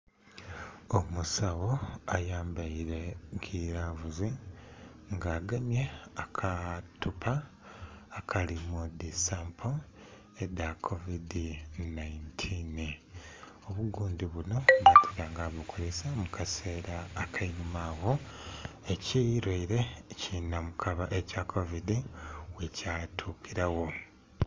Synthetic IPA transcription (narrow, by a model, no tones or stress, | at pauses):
omusaβo̞ajaːmbaiɾe̞ɡiɾavuzi | ŋɡaːɡamje̞akʰatupʰaː | kʰalimudisampʰo | edakʰovidinaintʰin | o̞βuɡuːndiβuno̞βatʰiɾaːŋɡaβukʰolesamukase̞ːɾaːkʰainumaːɣo̞ | eciɾweiɾe̞cinamukʰaβaʔecakʰovidiwecatʰupiɾawo̞